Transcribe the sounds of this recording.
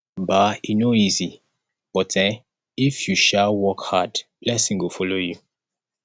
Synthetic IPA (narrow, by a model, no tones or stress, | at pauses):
bainoizi | b̥ɔtɛ̃n | ifjuʃawɔkhadb̥lɛsĩŋwufɔloju